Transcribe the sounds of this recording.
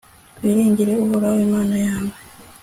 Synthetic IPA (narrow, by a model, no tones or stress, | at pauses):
βiɾiːɲɟiɾeohoɾawemaːnajaːme